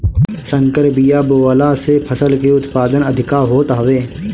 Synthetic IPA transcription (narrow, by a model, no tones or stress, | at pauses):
sə̃ŋkəɾbijaːboːʋəlasepʰəsəlkeʊt̪paːd̪ənəd̪ʱɪkaɦoːt̪aːʋeː